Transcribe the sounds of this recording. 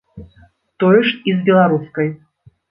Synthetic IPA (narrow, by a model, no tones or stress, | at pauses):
t̪ɔjəʂizbʲɛlˠaɾuskɐj